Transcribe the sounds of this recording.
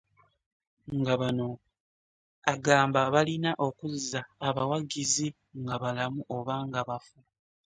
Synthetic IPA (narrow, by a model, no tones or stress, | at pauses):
ŋɡaβano̞ | aɡaːmbaβalinaʔo̞kuzːaːβawaɡizi | ŋɡaβalamuʔo̞βaːŋɡaβafu